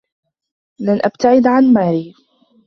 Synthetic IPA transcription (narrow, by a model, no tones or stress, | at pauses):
lanʔabt̪aʕɪd̪ʕanmaːɾiː